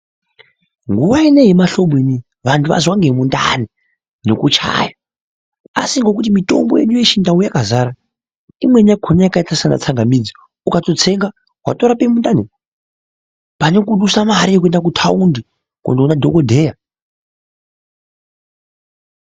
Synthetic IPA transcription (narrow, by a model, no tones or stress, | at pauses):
ŋɡuʋaine̞ɦemaɬo̞ɓweni | ʋantʰuʋa̰zwaŋɡemunda̰ni | nekut͡ʃa̰ja | a̰siŋɡo̞k̬utimito̞̰mboje̞̰ɗujeʃindaujakazaːɾa | imwe̞ɲakʰonajakaitasana̰t͡saŋɡamid͡zi | ukato̞t͡se̞ŋɡa | ɦwa̰to̞ɾapemundani | pane̞kuɗusamaɾijekue̞ndak̬utʰaundi | ko̰ndounadʱokodʱe̞ja